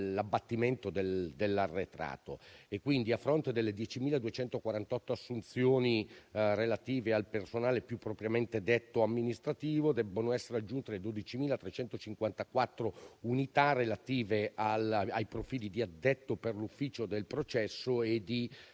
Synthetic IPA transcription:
labːat̪ːiment̪od̪eld̪elːarːet̪ɾa̰ːt̪oekːwind̪iafːɾont̪ed̪elːed̪jɛt͡ʃimiːlad̪uet͡ʃɛnt̪okwaɾant̪ɔt̪ːoasːunt̪sjoːnirelat̪iːvealpersonaːlepjupːɾopɾjament̪ed̪et̪ːoamːinist̪ɾat̪iːvod̪ɛbːonoɛsːeɾead͡ʒːunt̪eled̪od̪it͡ʃimiːlat̪ɾet͡ʃɛnt̪ot͡ʃiŋkwant̪akwat̪ːɾounit̪arːelat̪iːvealajpɾofiːlid̪iad̪ːɛt̪ːoperlufːiːt͡ʃod̪elpɾot͡ʃɛsːoed̪i

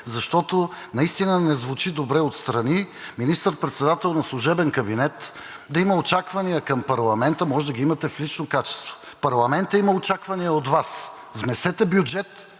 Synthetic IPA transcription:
zɐʃt̪ɔt̪onɐist̪inənɛzvut͡ʃid̪obɾɛot̪st̪ɾɐniminist̪əɾpɾɛt̪sɛd̪at̪ɛlˠnɐslˠʊʒɛbɛnkɐbinɛt̪d̪ɐimɐot͡ʃakvɐnijəkɐmpɐɾlˠɐmɛnt̪əmɔʒɛd̪ɐəɡʲiimɐt̪ɛflit͡ʃnokat͡ʃɛ̥st̪vo̥ | pɐɾlˠɐmɛnt̪əimɐot͡ʃakvɐnijəot̪vas | vnɛsɛt̪ɛbjud͡ʒɛt̪

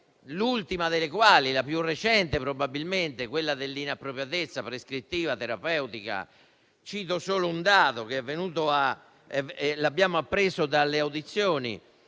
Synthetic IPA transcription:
lult̪imaðelekwaːlilapjurːet͡ʃɛnt̪epɾobabilment̪ekwelːad̪elːinapːɾopjat̪et̪sːapɾeskɾit̪ːiːvat̪eɾapɛwt̪ika̰ | t͡ʃiːt̪osoːlound̪aːðokeɛvːenuːt̪oa | ɛɛlabːjaːmoapːɾesod̪alːeawd̪it̪sːjoːnḭ

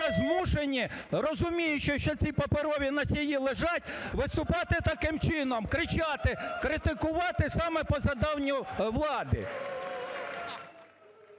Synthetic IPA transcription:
ɐzmuʃenʲːirɔzʊmʲijʊt͡ʃɔʃt͡ʃɔt͡sʲipɐpeɾɔʋʲinɐsʲjijilˠeʒɑtʲʋɪst̪ʊpɑt̪ɪt̪ɐkɪmt͡ʃɪnɔmkɾɪt͡ʃɑt̪ɪkɾɪt̪ɪkʊʋɑt̪ɪsɑmɛpɔzɐd̪ɑwnʲʊʋlˠɑd̪ɪ̰

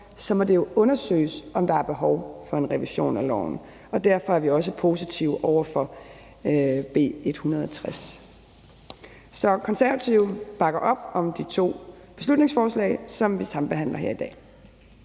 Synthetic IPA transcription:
sɒ̽mɒ̽d̥e̝jo̝ʔɔ̽nɐsø̰ːɪsɒ̽md̥ɑ̈æɐb̥e̝ɦɒʊfɒ̽e̝nʁɛʋiɕo̝̰ːnælɒ̰ʊ̰n̩ | ɒ̽d̥æɐfɒ̽æɐʋiɒ̽s̬əpʰo̝ːsit͡sʰiʊəʔɒʊɐfɒ̽ | b̥e̝̰ːe̝d̥hunɐð̞ˠɒt͡sʰʁas | sɒ̽kʰɒ̽nsæɐæt͡sʰiʊb̥ɑ̈ɡ̥ɐʔɒ̽b̥ɒ̽md̥it͡sʰo̝̰ː | b̥e̝s̬lud̥̚ⁿne̝ŋsfɒːslɛ̰ɪsɒ̽mʋisɑ̈m̩b̥e̝ɦæn̰lɐɦeɐ̰id̥ɛ̰ː

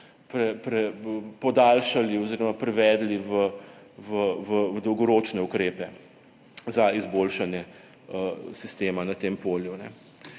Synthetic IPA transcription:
pɾɛpɾɛpɔd̪alʃaliɔziːɾɔmapɾɛʋɛːd̪liʋə | ʋəʋəd̪ɔwɡɔɾoːt͡ʃnɛukɾeːpɛ | zaizboːlʃanjɛ | əsist̪eːmanat̪eːmpoːljunɛ̰

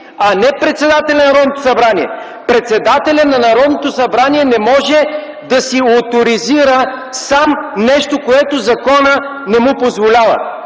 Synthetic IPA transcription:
ɐnɛpɾɛt̪sɛd̪at̪ɛlʲɐnɐɾɔd̪not̪o̥sɐbɾaniɛ̰ | pɾɛt̪sɛd̪at̪ɛlʲɐnɐnɐɾɔd̪not̪osɐbɾaniɛnɛmɔʒɛ | d̪ɐsiot̪oɾiziɾəsamnɛʃt̪okoɛt̪ozɐkɔnə | nɛmupozvolʲavə̰

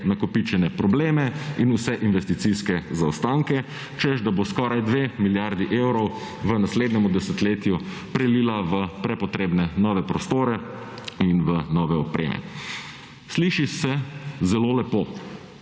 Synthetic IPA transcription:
nakɔpit͡ʃɛnɛpɾɔbleːmɛinusɛʔinʋɛst̪it̪siskɛzaɔst̪aŋkɛ | t͡ʃɛzd̪aboskɔːɾajd̪ʋemiljaɾd̪iʔewɾɔw | ʋənasleːd̪nɛmud̪ɛsət̪leːt̪ju | pɾɛlilaʋəpɾɛpɔt̪ɾeːbnɛnɔːʋɛpɾɔst̪oːɾɛ | inʋənɔʋɛɔpɾḛːmɛ̰ | sliːʃisɛzɛloːlɛpoː

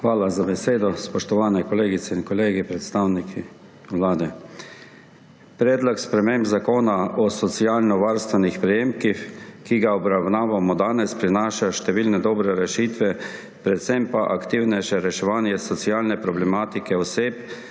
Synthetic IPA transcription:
xʋaːlazabɛseːd̪ɔspɔʃt̪ɔʋaːnɛkɔleːɡit̪sɛinkɔleːɡipɾɛt̪st̪aːwnikʰi | wlaːd̪ɛ | pɾɛːd̪lɔkspɾɛmembzakoːnaɔsɔt̪siaːlnɔʋaːɾst̪ʋɛnixpɾɛjeːmkixkiɡaɔbɾawnaːʋamɔd̪aːnɛspɾinaːʃaʃt̪ɛʋiːlnɛd̪ɔːbɾɛɾɛʃit̪ʋɛ | pɾɛt̪sɛmpaʔakt̪iːwnɛjʃɛɾɛʃɛʋaːnjɛsɔsiaːlnɛpɾɔblɛmaːt̪ikɛɔseːp

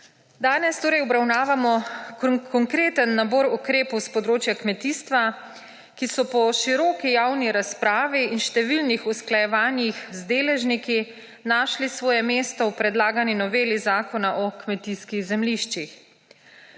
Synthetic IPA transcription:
d̪aːnɛst̪oːɾɛjɔbɾawnaːʋamɔ | kʰɔŋkɾeːt̪ənːabɔːɾukɾeːpɔwspɔd̪ɾoːt͡ʃjakmɛt̪ist̪ʋa | kisɔpɔʃiɾɔːkijawniɾaspɾaːʋiinʃt̪ɛʋilnixusklajɛʋaːnjixzd̪eːlɛʒniki | naːʃlisʋɔːjɛmeːst̪ɔwpɾɛd̪laːɡaninɔʋeːlizaːkɔnaʔɔkmɛt̪iskiɣzɛmliʃt͡ʃix

